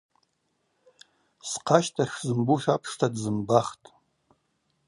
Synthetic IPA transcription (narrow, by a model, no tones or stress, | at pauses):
sqʰaʃtʰaʂzɨmbuʃapʰʂtʰadzɨmbaχtʼ